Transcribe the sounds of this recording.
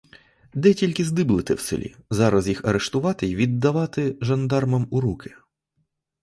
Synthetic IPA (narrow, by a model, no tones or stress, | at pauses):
d̪ɛtʲilʲkɪzd̪ɪblˠɪt̪ɪ̰wsḛlʲḭzɑɾɐzjixɐɾeʃt̪ʊʋɑt̪ɪjʋʲid̪ːɐʋɑt̪ɪʒɐnd̪ɑrmɐmʊɾukʰɪ